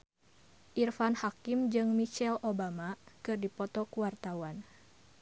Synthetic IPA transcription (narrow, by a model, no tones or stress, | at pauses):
ʔirfanhakimd͡ʒɨŋmit͡ʃɛlʔobamakɨrdipɔt̪ɔkuwart̪awan